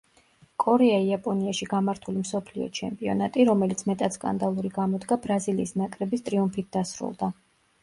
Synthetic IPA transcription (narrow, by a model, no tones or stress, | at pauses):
kʼɔɾɛaiapʼɔniaʃiɡamaɾt̪ʰulimsɔpʰlḭɔ̰t͡ʃʰɛmpʼiɔ̰nat̪ʼiɾɔmɛlit̪sʰmɛt̪ʼat̪skʼa̰nd̪alˠuɾiɡamɔd̪ɡabɾaziliːsnakʼɾɛbist̪ʼɾiumfit̪̚ʰd̪asɾṵlˠd̪a